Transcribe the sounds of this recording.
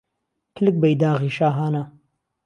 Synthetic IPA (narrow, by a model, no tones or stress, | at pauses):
kʰlɨk̚bɐjd̪aːɣiːʃaːɦaːnɐ